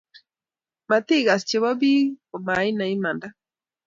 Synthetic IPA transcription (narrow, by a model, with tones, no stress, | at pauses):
ma˨t̪i˦˨ɣa˨st͡ʃe˨βɔ˦bi˦ko˨ma˨˦i˦na˨i˦ma˨nda˦